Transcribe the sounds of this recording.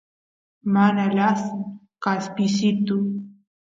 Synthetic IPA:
manalas | kaspisit̪u

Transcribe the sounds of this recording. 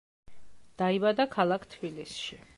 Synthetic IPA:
d̪̥aibad̪akʰalˠakʰt̪ʰbilisʃi

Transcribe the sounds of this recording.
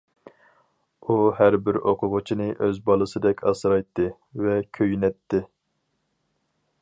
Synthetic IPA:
uhæɾbɪɾoqʰʊʁʊt͡ʃʰinɨʔøzbɑlˠɨsɨd̪ɛkʲʰɑsɾɑjt̪ʰːɨ | vɛkʲʰøjnɛt̪ʰːɪ

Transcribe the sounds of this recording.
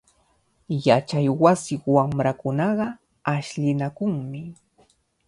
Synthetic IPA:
jat͡ʃajwasɪwamɾakʊnɑɢɑ | aʃʎɪnakʊŋmɪ

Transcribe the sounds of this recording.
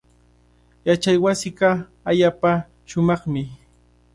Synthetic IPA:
jat͡ʃajwasɪɢɑ | aʎaːpa | ʃʊmɑχmɪ

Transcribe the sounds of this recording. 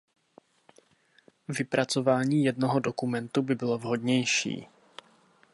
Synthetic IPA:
vɪpɾat͡so̞vaːɲiːjɛdnoɦodo̞kumɛnt̪ubɪbɪlo̞vɦo̞dɲɛjʃḭː

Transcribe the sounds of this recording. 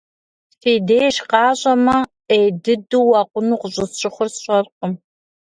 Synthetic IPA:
feːdeːjʃqɑːɕʼɐmɐ | ejdɨduwɑqʷʊnuːqəɕʼɪsɕʼɪχʷʊrsɕʷʼɐrqəm

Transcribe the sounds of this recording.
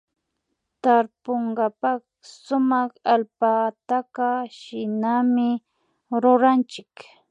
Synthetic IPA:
t̪aɾpoɴɢɑpɑχ | sʊmɑχalpat̪aqaʃɪnamɪ | ɾʊɾant͡ʃɪk

